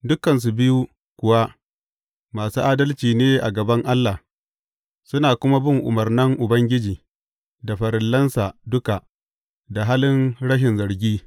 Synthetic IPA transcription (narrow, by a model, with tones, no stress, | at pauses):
dʊ˦kɐ˨ns̬u˨bɪ˦ju˦ | kʷʊ˨wa˦ | maː˨suː˦ʔaː˦dɐ˦lt͡ʃiː˨neː˦ʔa˨ɡɐ˨bɐ˦ŋʔa˦lːa˨ | sʊ˦naː˨kʷʊ˦ma˦bɪ˦ŋʔʊ̰˨mɐ˨rnɐ˦ŋʔʊ˨bɐ˦ŋɡʲɪ˦d͡ʒiː˨ | da˨ɸɐ˨ɾɪ˨lːɐ˦nsa˨dʊ˦ka˨ʔ | da˨ɦaː˦lɪ˦nɽɐ˦ʃ̬ɪ˨nzɐ˨ɾɡʲiː˦